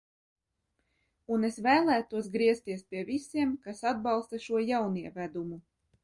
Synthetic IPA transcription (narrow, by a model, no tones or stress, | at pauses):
unesvæːlˠæːt̪uɔs̬ɡɾiɛst̪iɛspʲiɛvisiɛmkasad̪̚bɑlˠst̪aʃuɔjawniɛvæd̪umu